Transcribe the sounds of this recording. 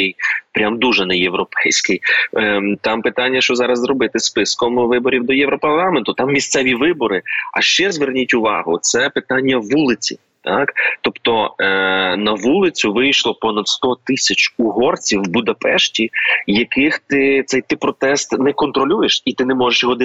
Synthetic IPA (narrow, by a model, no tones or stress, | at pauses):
ɛjpɾʲamd̪uʒɛnɛjewɾɔpɛjsʲkɪj | t̪ɑmpɪt̪ɑnʲːɐʃt͡ʃɔzɑɾɐzzrɔbɪt̪ɪspɪskɔmʋɪbɔɾʲiwd̪ɔjɛʋɾɔpɐrlˠɑment̪ʊt̪ɑmːʲist̪sɛʋʲiʋɪbɔɾɪɐ̰ʃt͡ʃɛzʋernʲitʲʊʋɑ̰ɦʊt̪sɛpɪt̪ɑnʲːɐʋulˠɪt͡sʲḭ | t̪akt̪ɔpt̪ɔ | nɐʋulˠɪt͡sʲʊʋɪjʃlˠɔpɔnɐd̪st̪ɔt̪ɪsʲɐt͡ʃʊɦɔrt͡sʲiwbʊd̪ɐpɛʃtʲijɐkɪxt̪ɪt̪sɛjt̪ɪpɾɔt̪ɛst̪nɛkɔnt̪ɾɔlʲujeʃit̪ɪnɛmɔʒeʃjɔɦɔd̪ɪ